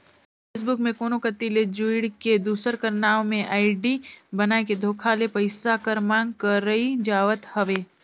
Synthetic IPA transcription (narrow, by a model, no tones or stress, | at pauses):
feːs̬bʊkmẽkoːnokɐt̪iled͡ʒuɪɽked̪uːsəɾkɐɾnaːõmẽʔaːɪɖibɐnaːeked̪ʱoːkʰalepɐɪsakɐɾmãːŋɡ̚kəɾəid͡ʒaːʋət̪hɐʋeː